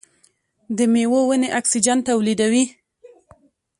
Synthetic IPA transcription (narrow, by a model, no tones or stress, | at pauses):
d̪əmewowəneʔaksid͡ʒant̪awlid̪awi